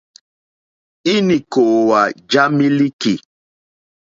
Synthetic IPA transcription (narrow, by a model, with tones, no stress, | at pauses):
i˦ni˨ko˨wa˨d͡ʒa˦mi˦li˦ki˨